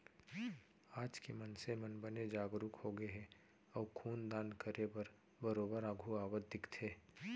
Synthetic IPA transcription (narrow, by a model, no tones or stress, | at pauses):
aːd͡ʒkemənsemənbəned͡ʒaːɡɾʊkhoɡeɦɛ | ɔːkʰuːnd̪aːnkəɾebəɾ | bəɾoːbəɾãːɡʱuaːwəd̪ɪkt̪ʰeː